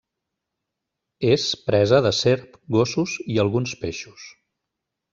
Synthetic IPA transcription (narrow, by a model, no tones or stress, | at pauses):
espɾɛzəðəseɾpɡosuziəlˠɣunspeʃu̥s